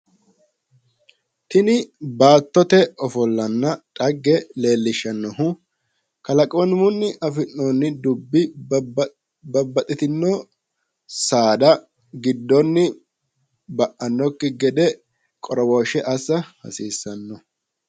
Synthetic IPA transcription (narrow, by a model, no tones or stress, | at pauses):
t̪ɪnɪbaːt̪ːɔt̪ɛɔfɔlːɐnːɐtʼɐɡːɛle̞ːlːɪʃːɐnːɔhʊ | kɐlɐkʼonmʊnːɪʔɐfɪnːonːɪd̪ʊbːɪ | bɐbːɐt̪ʼɪt̪ɪnːɔ | saːd̪ɐ | ɡɪd̪ːɔnːɪ | bɐʔːɐnːɔkːɪɡɛd̪ɛ | kʼɔɾɔwoʃɛʔɐsːɐhɐ̰siːsːɐnːɔ